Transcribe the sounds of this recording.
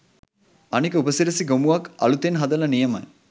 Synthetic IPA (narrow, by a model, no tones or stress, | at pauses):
ɐnikəubəsiɾɐsiɡomuɐkɐ̰lut̪enɦɐd̪ɐlɐnijɐmɐj